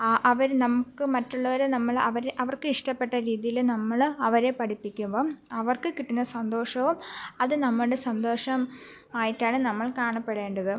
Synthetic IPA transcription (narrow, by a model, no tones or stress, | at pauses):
ʔɐʋɐɾnɐmukːɨmɐtːuɭːɐʋɐɾenɐmːɐɭɐ̰ʋɐɾeʔɐʋɐrkɨiʂʈɐpːe̞ʈːɐɾiːðijilnɐmːɐɭɐʋɐɾe̞pɐʈipːikʲːumboːɐʋɐrkɨkiʈːinːɐsɐnd̪o̞ːʂɐʋumɐðɨnɐmːɐɭɽesɐnd̪o̞ːʂɐm | aːjiʈːaːɳɨnɐmːɐɭkaːɳɐpːe̞ɽe̞ːɳɖɐðɨ